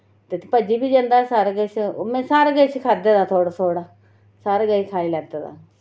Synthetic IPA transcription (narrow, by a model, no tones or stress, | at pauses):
t̪et̪ːpəd͡ʒiːbiːd͡ʒə̃ːnd̪aːsaːɾɡəsmɛ̃ːsaːɾaɡəskʰaːd̪eːd̪aːt̪ʰoːɽaːt̪ʰoːɽaː | saːɾaɡəikʰaːiːlɛːɡd̪aːd̪a̰ː